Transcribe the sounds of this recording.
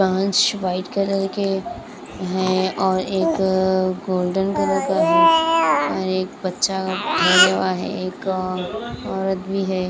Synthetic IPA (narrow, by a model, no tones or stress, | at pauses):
ə̃ə̃nt͡ʃʋaːɪʈkəɾəɾke | ɦɛɔːɾeːkɡoːlɖənkɐɾəɾkaɦɛːɔːɾeːk̚bɐtːʃaɡʱeɾəʋaɦɛ̰eːk | ɔːɾət̪bʱiɦɛː